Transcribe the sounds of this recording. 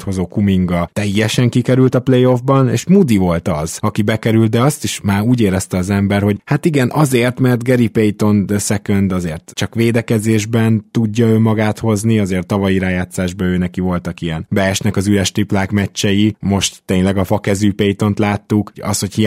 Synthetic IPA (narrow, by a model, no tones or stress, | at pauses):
t̪ho̞zoːkumiŋɡɒt̪ɛjːɛʃɛŋkikɛɾylt̪ɒplejo̞vbɒnḛːʃmud̪ivo̞lt̪ɒz̥ɒkibɛkɛɾylt̪̚d̪ɛɒst̪iʃmaːɾuːɟeːɾɛst̪ɛɒzɛmbɛɾho̞ɟhat̪iɡɛnʔɒzeːrt̪mɛrt̪ɡɛɾipejt̪o̞nsɛkønd̪ɒzeːrt̪t͡ʃɒkʋeːd̪ɛkɛzeːʒbɛnt̪uɟːɒøːmɒɡaːt̪ho̞zniɒzeːrt̪ːɒvɒjiɾaːjaːt̪saːʒbɒøːnɛkivo̞lt̪ɒkijɛnbɛːʃnɛkɒzyɾɛʃt̪iplaːkmɛt͡ʃːɛjimo̞ʃt̪ːeːɲlɛɡɒfɒkɛzyːpejt̪o̞nt̪laːt̪ːukɒ̰sho̞chi